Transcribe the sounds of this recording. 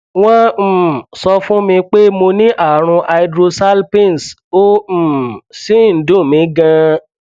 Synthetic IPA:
w̃ɔ̃˦m̩˨sɔ˧fũ˦mĩ˧k͡pe˦mo˧nĩ˦ʔa˦˨ɾ̃ũ˧ʔa˧i˧dɾo˧sa˦lpi˦˨n˨s | o˦˨si˦˨n̩˨˦dũ˦˨mĩ˨˦ɡã˧

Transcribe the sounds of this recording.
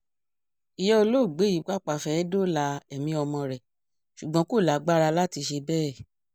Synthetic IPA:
i˨jɔ˦o˧lo˦˨ɡ͡be˨˦i˨˦˨k͡pa˦˨k͡pa˨fɛ˨˦do˦la˧ɛ˨mĩ˧˦ɔ˧mɔ̃˧ɾɛ˨ | ʃu˨ɡ͡bɔ̃˨˧˦ko˦˨la˨˦ɡ͡ba˦ɾa˧la˦ti˧ʃe˧bɛː˦˨

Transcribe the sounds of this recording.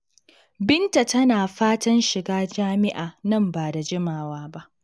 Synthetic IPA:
bɪ˦nta˨tɐ˦naː˨ɸaː˦tɐ˦nʃɪ˨ɡaː˦d͡ʒaː˦mɪ˦ʔaː˨nɐ˦˨mbaː˨da˨d͡ʒɪ˦maː˨waː˦ba˦ʔ

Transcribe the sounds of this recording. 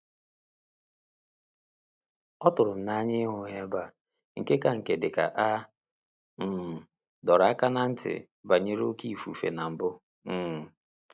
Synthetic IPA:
ɔ˦tʊ˨ɾʊ˨m̩˨na˦ɲɪ˦ɦʊ˨˦ɦe˦ba˨ | ŋ̩˨ke˦ka˨ŋ̩˨ke˨dɪ˨ka̰˨ʔa˦ | m̩˨ | dɔ˨ɾa˦ka˦na˨n̩˦tɪ̰˨ | ba˨ɲe˦ɾo˦ki˦i˨fu˨fḛ˨na˨m̩˨bʊ˦ | m̩˦˨

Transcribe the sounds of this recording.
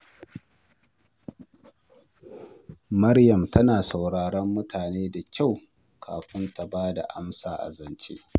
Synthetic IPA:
mɐ˦ɽjɐ˨mtɐ˦naː˨sa˨wɽaː˨ɽɔ˦mːʊ˦tʰaː˨neː˦da˨kʲʰa˦˨w | kʰa̰ː˨ɸɪ˦nta˨baː˦da̰˨ʔa˦msaː˨ʔa̰˨zɐ˨nt͡ʃḛ˦

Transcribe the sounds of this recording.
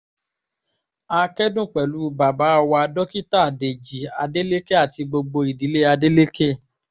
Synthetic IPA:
a˧kɛ˦dũ˦˨k͡pɛ˨lu˨˦ba˨ba˨˦˧wa˧a˧dɔ˦ki˦ta˦˨de˨d͡ʒi˨a˧de˦le˦ke˦a˦˨ti˧ɡ͡bo˧ɡ͡bo˧i˨di˨˦le˦a˧de˦le˦ke˦

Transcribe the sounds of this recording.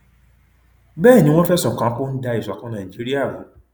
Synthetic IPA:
bɛː˦˨nĩ˦w̃ɔ̃˦fɛ˦˨sɔ̃˨kã˨˦kõ˦n̩˦da˧˦i˨sɔ˨kã˦nã˨i˨d͡ʒi˦ɾi˦a˦˨ɾ̃ṵ̃˨˦

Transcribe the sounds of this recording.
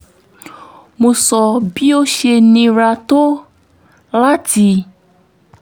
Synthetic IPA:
mõ˨sɔ˨bi˦wo˦ʃe˨nĩ˨ɾa˨t̪o˦ | la˦ti˨

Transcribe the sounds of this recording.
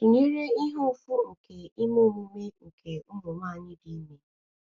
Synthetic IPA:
i˨ɲe˦ɾe˦i˦ɦʊ˦fʊ˦ŋ̩˨kʰe˨i˦mo˦˨mu˦me˦ŋ̩˨kʰe˨n̩˦ɾʊ˨ma˦˨ɲɪ˦di˨˦me˦

